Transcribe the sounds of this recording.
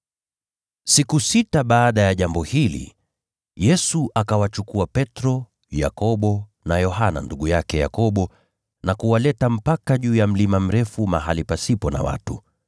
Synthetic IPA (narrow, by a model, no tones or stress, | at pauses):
sikusitaɓaːɗajaʄambɔhilḭ | jɛsuʔakawat͡ʃukuapɛtɾɔ | ja̰kɔɓɔ | najɔɦana̰nduɠujakɛja̰kɔɓɔ | nakuwalɛtam̩pakaʄuːjam̩limam̩ɾɛfuma̰ɦalipasipɔna̰wa̰tu